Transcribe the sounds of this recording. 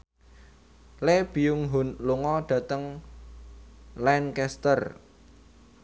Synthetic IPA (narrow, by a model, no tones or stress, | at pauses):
leb̥i̤ʊŋɦunluŋɔɖ̥ä̤t̪əŋ | lɛnkɛst̪ər